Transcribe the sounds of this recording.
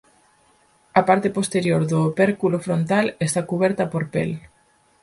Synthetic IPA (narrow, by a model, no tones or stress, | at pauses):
apaɾt̪epost̪eɾjoɾðopeɾkulofɾont̪alest̪akuβɛɾt̪apoɾpḛl